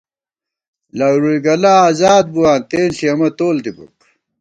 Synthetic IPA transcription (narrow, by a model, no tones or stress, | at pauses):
laɡɾuiɡɐlaːaːzaːd̪̚buwaːnt̪eːnsiɐmɐt̪oːld̪ibṵk